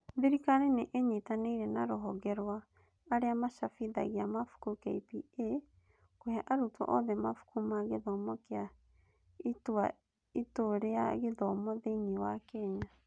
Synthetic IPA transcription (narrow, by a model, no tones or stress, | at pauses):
ðiɾikaɾeneʔeɲetaneiɾɛnaɾoɦɔɣɛɾwaː | ɾeamaʃafiða̰ɣeamafu̥kukɛipie | kohaʔaɾutwɔ̰ʔɔðɛmafu̥kumaɣeðɔmɔkea | itwa | itoɾeaɣeðɔmɔðeɲiwakɛɲa